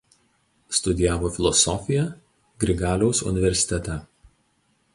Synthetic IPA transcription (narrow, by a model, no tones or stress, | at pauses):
st̪ʊd̪ʲɪjæːʋoːfʲɪlˠɔsɔfʲɪjɛ | ɡɾʲɪɡɑːlʲɛʊsʊ̰nʲɪʋʲɛɾʲsʲɪ̥t̪ʲɛt̪ʲɛ